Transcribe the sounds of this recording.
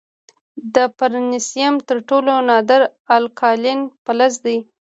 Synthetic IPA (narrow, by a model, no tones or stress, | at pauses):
d̪əpaɾnɪsijamt̪əɾʈolonɑd̪əɾalkʰɑlɪnpalazd̪aj